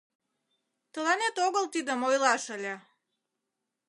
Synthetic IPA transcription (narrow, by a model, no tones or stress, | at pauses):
t̪ə̆lɑnet̪oɣəlt̪id̪əmojlɑʃə̆lʲe